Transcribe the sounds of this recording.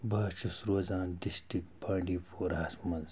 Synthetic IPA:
bɐːt͡ʃʰusɾoːzaːnɖisʈikbãːɳɖiːpʰoːɾɦɐsmɐnz

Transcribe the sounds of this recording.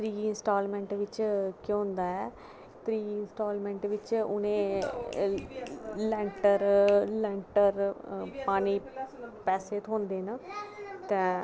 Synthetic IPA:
t̪ɾiːɪnsʈaːlmɛ̃ːɳʈʋɪt͡ʃkjõːnd̪aːɛː | t̪ɾiːɪnsʈoːlmɛ̃ːɳʈʋɪt͡ʃʊ̰nẽː | lɛ̃ːɳʈəɾlɛ̃ːɳʈəɾpaːniːpɛːseːt̪ʰõːnd̪eːnət̪ɛ̃ː

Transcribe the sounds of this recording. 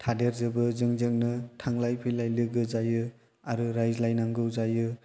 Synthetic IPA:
tʰadeɾzɯbɯzɯŋzɯŋ̚nɯtʰaŋlajpʰɯjlajlɯɡɯzajɯ | aɾɯɾajzlajnaŋɡɯwzajɯ

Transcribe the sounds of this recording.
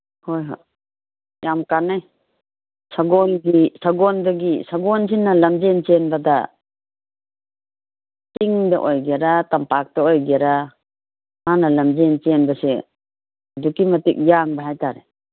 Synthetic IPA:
hojɦɔ̰ | jamkanaj | saɡɔnɡisaɡɔndaɡisaɡɔnsinːalamd͡ʒent͡ʃenbada̰ | tiŋdaʔɔjɡeɾatampak̚daɔjɡeɾa | manalamd͡ʒent͡ʃenbasɛ | dukimatik̚jaŋbaɦajtaɾe

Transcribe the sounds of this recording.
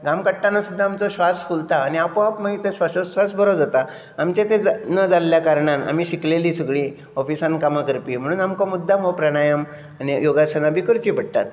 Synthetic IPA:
ɡamkəʈʈanasud̪ʱːaːmt͡soɕʋasfult̪aːñiapõapmaɦit̪eɕʋaɕoʋasbʱəɾod͡zat̪a | amt͡ɕãt̪ẽd͡znəd͡zalːjakaɾɳana̰miːɕikleliːsəɡɭiː | ɔfisãnkamakəɾpiːm̤əɽ̃uːnamkamud̪ʱːaməpɾaɽ̃ajəm | anijoɡasənabikəɾt͡ɕiːbʱəɽt̪a̰t̪

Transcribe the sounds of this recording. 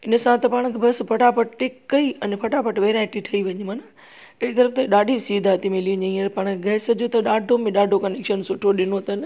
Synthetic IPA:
ɪnə̆sãt̪ɐpaːɽ̃kʰebʱɐspʰɐʈapɐʈʈekːɐiɐnpʰɐʈapɐʈʋeːɾãːʈiʈʰɐiʋɐɲimaːna | ɪit̪ɐɾəft̪eɗaːɖʱisiːd̪ʱaːt̪imɪliɐɲẽĩəɾpaːɽ̃keɡɐɦɪsɐd͡ʑʱot̪ɐɗaːɖʱomẽɗaːɖʱokɐnekʃənsʊʈʰoɗɪnot̪ɐn

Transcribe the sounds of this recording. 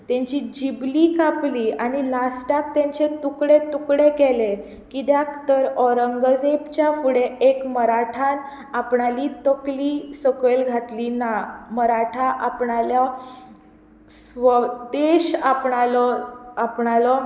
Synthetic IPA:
t̪ẽɲt͡ɕid͡ʑiblikapliːaɽ̃ilasʈak̚t̪ẽɲt͡ɕet̪ukɽet̪ukɽekele | kid̪jakt̪əɾɔɾəŋɡəd͡zept͡ɕjafuɽeekməɾaʈʰan | apɳalit̪əkliːsəkəlɡʱat̪linaməɾaʈʰaʔapɳalja | sʋəd̪eɕapɳalɔapɳalɔ

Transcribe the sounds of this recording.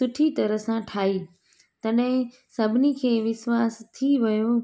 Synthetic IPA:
ʊʈʰit̪ɐɾəsãʈʰaːi | t̪ɐɗɦɪ̃ | sɐbʱɪnikʰeːʋɪsʋaːst̪ʰiʋɐjo

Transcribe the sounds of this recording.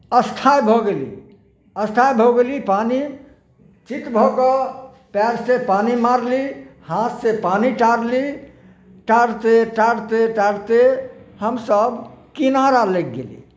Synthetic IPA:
əst̪ʰajbʱɔɡelḭ | əst̪ʰajbʱoɡelipani | t͡ʃit̪bʱɔkɔ | pɛɾsepanimaɾlihãt̪sẽpaniʈaɾli | ʈaɾt̪eʈaɾt̪eʈaɽt̪ehəmsəbkinaɾalek̚ɡḛlḭ

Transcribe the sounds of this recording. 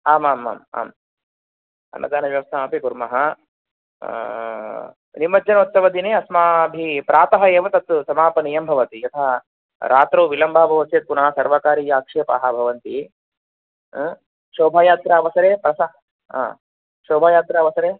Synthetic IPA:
aːmaːma̰ːma̰ːm | ɐ̰nːɐ̰d̪aːnɐʋjɐʋɐst̪ʰaːmɐpikuɾmɐɦɐ | nimːɐd͡ʒɐnɐut̪sɐʋɐd̪ineːɐsmaːbʱipɾaːt̪ɐɦɐeːʋɐt̪ɐt̪ːusɐmaːpɐnijɐmbʱɐʋɐt̪iɐt̪ʰaː | ɾaːt̪ɾoːʋilɐmbʱaːbʱɐʋɐsjɐt̪̚punɐɦɐsɐɾʋakaːɾiːjaːkʂeːpaɦɐbʱɐʋɐnt̪i | ʃoːbʱaːjaːt̪ɾaɐʋɐsɐɾeːpɾɐsa | a̰ | ʃoːbʱaːjaːt̪ɾaːʋɐsɐɾeː

